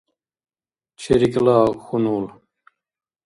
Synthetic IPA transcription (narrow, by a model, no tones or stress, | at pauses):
t͡ʃʰeɾiklaːxunuːl